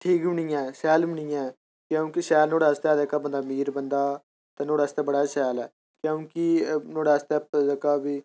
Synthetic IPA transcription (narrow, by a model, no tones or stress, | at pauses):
ʈʰiːkmɪɳiːãɛsɛːlmɪɳijã | kjõːkɪʃɛːlnoːɽaːst̪ɛːd̪eːkaːbənd̪aːmiːɾbənd̪aː | t̪ɛnoːɽaːst̪ɛːbəɽaːsɛːlɛː | kjõːkɪnoːɽaːst̪ɛːpd̪ekaːbiː